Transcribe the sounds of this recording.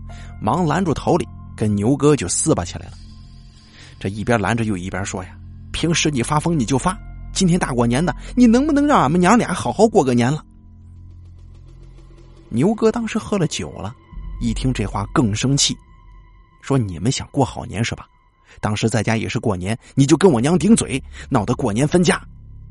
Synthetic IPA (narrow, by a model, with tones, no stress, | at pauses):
mɑ˧˥ŋla˧˥nʈ͡ʂu˨˩t̪ʰo˧˥ʊlḭ˨˩˦kə˥nnjo˧˥ʊkɤ˥t͡ɕjo˥˧ʊsɹ̩˥˧bə˨˩t͡ɕʰi˨˩la̰˧˥ɪlə˨ | ʈ͡ʂɤ˥˧i˥˩pjɐ˥la̰˧˥nʈ͡ʂə˧jo˥˧ʊi˥˩pjɐ˥ʂwɔ˥ja˨ | pʰi˧˥ŋʂɻ̩˧˥ni˨˩fa˥fɤ˥ŋni˨˩t͡ɕjo˥˩ʊfa˥t͡ɕi˥nt̪ʰjɛ˥nt̪a˥˩kwɔ˥˩njɛ˧˥nd̪ə˨ni˨˩nɤ˧˥ŋbu˨nɤ˧˥ŋɻɑ˥˩ŋə˨˩mə˧njɑ˧˥ŋljɑ̰˨˧˥xɑ˨˩ʊxɑ˥˧ʊkwɔ˥˧kɤ˥˩njɛ˧˥nlə˨ | njo˧˥ʊkɤ˥t̪ɑ˥ŋʂɻ̩˧˥xɤ˥lə˨t͡ɕjo̰˨˩ʊlə̰˦i˥˩t̪ʰi˥ŋʈ͡ʂɤ˥˧˩xwa̰˥˩kɤ˥˩ŋʂɤ˥ŋt͡ɕʰi˥˩ | ʂwɔ˥nḭ˨˩mə˦nɕjɑ̰˨˩ŋkwɔ˥˩xɑ˨˩ʊnjɛ̰˧˥nʂɻ̩˧˥˩bɐ˨˩ | t̪ɑ˥ŋʂɻ̩˧˥t͡sa˥˩ɪt͡ɕja˥jɛ̰˨˩ʂɻ̩˥˧kwɔ˥˩njɛ˧˥nni˨˩t͡ɕjo˥˩ʊkə˥nwɔ˨˩njɑ˧˥ŋt̪̬i˧˥ŋt͡swḛ˨˩˦ɪnɑ˨˩ʊd̪ə˧˦kwɔ˨˩njɛ˧˥nfə˥nt͡ɕja˥